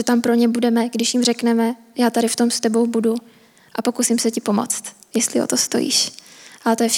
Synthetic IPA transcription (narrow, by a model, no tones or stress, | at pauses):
ɛt̪ampɾo̞ɲɛbudɛmɛɡdɪʃjɪmrɛknɛmɛjaːt̪aɾɪft̪o̞mst̪ɛbo̞wbudu | ʔapo̞kusɪmsɛcɪpo̞mo̰t͡st̪ | jɛst̪lɪo̰t̪ost̪o̞̰jḭːʃʔat̪ojɛf